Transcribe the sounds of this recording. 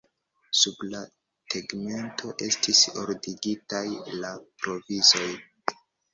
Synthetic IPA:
subla | teɡme̞ntʰo̞ʔe̞stisoɾdiɡitajlapɾo̞vizo̞j

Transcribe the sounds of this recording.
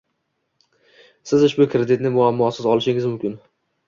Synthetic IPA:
sɪzʊʃbʊkʰɾed̪ɪt̪nɪmʊamːɒsɪzɒlˠɪʃɪŋɪzmʊmkʲɪn

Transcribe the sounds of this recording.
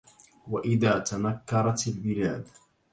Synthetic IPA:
waʔɪðaːt̪anakːɑɾˤɑt̪albɪlaːd̪

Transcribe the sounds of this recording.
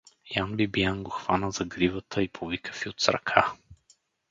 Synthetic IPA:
janbibijanɡoxv̥anəzɐɡɾivət̪ʰəipʰovikə̥fiot̪sɾɐ̰kʰa

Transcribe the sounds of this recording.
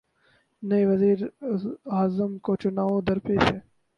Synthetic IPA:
nɐiʋɐziːɾ | aːzəmkot͡ʃʊnaːʋõd̪ɐɾpeːsɛː

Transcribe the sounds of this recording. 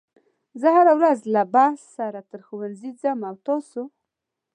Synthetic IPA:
zəhaɾawɾazlabasːaɾat̪əɾxuwanzid͡zamawt̪ɑsu

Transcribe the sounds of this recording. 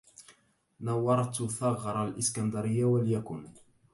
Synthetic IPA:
nɑwːɑɾˤt̪θɑɣɾˤɑlʔɪskand̪ɑɾɪjːawaljakʊn

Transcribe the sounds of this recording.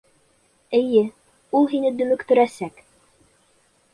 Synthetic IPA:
ɘ̆jɘ | ulˠɦinɘd̪ɵ̆mɵ̆kt̪ɵ̆ɾæsæk

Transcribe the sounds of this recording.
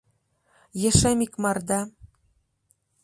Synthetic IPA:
jĕʃemikmɑrd̪ɑ

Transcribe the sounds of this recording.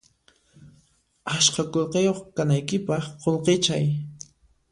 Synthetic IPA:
aʃkakolqejoχkanajkɪpɑχqolqet͡ʃaj

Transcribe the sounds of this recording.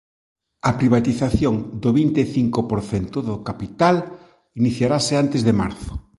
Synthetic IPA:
ɐpɾiβ̞at̪iθaθjoŋd̪oβint̪eθiŋkopoɾθɛnt̪ʊðʊkapit̪al | iniθjaɾaseant̪ezðema̰ɾθo̥

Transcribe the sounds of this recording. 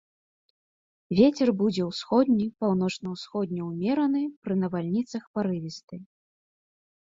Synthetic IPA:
vʲet͡sʲɛrbud͡zʲɛwsxɔd̪ʲnʲipawn̪ɔt͡ʂnɐwsxɔd̪ʲnʲɛwmʲɛɾɐnɨpɾɨnɐvalʲnʲit̪sɐxpaɾɨvʲist̪ɨ

